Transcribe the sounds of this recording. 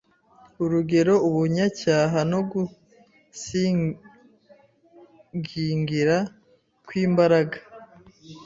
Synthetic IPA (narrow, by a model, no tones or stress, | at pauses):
uɾuɡe̞ɾo̞uβuɲacaːɦano̞ɡu | si | ɡiŋɡiɾa | kwiːmbaɾaɡa